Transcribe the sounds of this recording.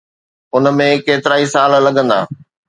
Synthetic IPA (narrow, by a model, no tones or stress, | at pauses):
ʊn̆mẽkeːt̪ɪɾaːisaːllɐɠə̃nd̪a̰ː